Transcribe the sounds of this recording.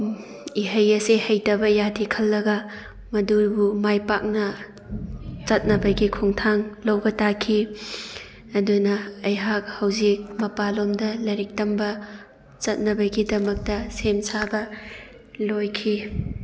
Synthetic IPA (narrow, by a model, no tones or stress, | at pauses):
iɦɐjɐsehɐjtɐbɐjatʰikʰɐlːɐɡɐ | mɐduɾbumajpak̚nɐ | t͡ʃɐt̚nɐbɐɡikʰuŋtʰaŋlɐwbɐtakʰi | ɐdunɐːjɦak̚hɐwzik̚mɐpalomdɐlɐɾik̚tɐmbɐ | t͡ʃɐt̚nɐbɐɡidɐmɐk̚tɐsemsabɐ | lojkʰi